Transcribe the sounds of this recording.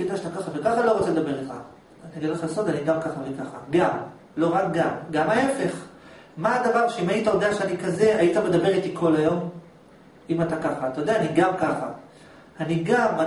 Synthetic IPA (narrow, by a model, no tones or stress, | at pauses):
ɡid̪aʃat̪akaχavekaχalo̞ʁo̞t͡seld̪abe̞ʁitχa̰ | aniaɡidleχalaso̞daniɡamkaχavekaχa̰ɡam | lo̞ʁak̚ɡamɡamaefe̞χ | maːd̪avaʁʃeimait̪ajo̞d̪eaʃeanikaze̞ajit̪ame̞d̪abe̞ʁit̪ikʰo̞lajo̞m | imat̪akaχaːt̪ajo̞d̪eaːniɡamkaχa̰ | aniɡama